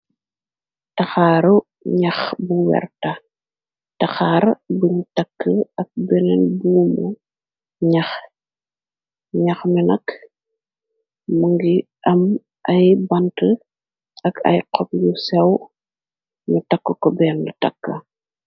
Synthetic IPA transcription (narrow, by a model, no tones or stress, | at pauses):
tɐxaːɾu | ɲɐxbuwɛ̰rtɐ | tɐxaːɾbuɲtɐkːəɐk̚bɛnɛnbuːmu | ɲɐx | ɲɐxminɐk | muŋɡi | ʔɐm | ʔɐjbɐntə | ɐkʰɐ̰jqɔp̚jusɛw | mutɐkːəkɔbɛːndutɐ̰kːɐ